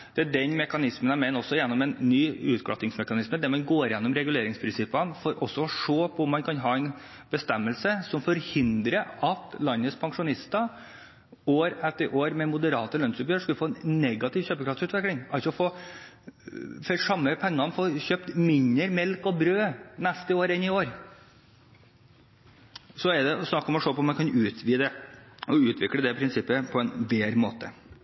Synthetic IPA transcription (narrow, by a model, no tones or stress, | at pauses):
d̪̥ɛæɖɛnmɛkɑnɪsmənæmɛɪnɔsːɔjɛnːɔmɛnːyːʉ̰ːt̪kʰɽɑ̰t̪ːɪŋsmɛkɑnɪsməd̪ɛmɑnɡoːɾjɛnːɔmɾɛɡʉleːɾɪŋspʰɾɪnsɪpːənfɔɾʔɔsːɔɔʂoːpʰɔʊmːɑnkʰɑnɦɑːɛn | bəst̪ɛmːəlsəsɔmfɔɾhɪnd̪ɾəɑt̪lɑnːət̪spʰɑŋʂʊnɪst̪ɑ | oːɾɛt̪ːəɾʔoːɾmɛmʊd̪əɾɑːt̪əlœnsʉpjøːɾʂkʉlːəfoːɛnnɛɡɑt̪ɪʋçøːpəkʰɾɑft̪sʉːt̪ʋɛklɪŋɑlsɔɔfoː | fœʂɑmːəpʰɛŋːɑnfoːɕøːpt̪mɪɲəɾmɛlkɔbɾøːnæst̪əoːɾɪnːɪoːɾ | sɔɛd̪ɛɔsnɑkːɔmɔʂoːpɔmːɛnkʰɑnʉːt̪ʰʋiːd̪ɛɔʉːt̪ʋɪkləd̪ɛpʰɾɪnsɪpːəpʰɔɛnʋeːɾmo̰ːt̪ə